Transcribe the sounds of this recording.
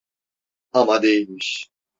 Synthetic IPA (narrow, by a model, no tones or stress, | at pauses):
amad̪ejilmiʃ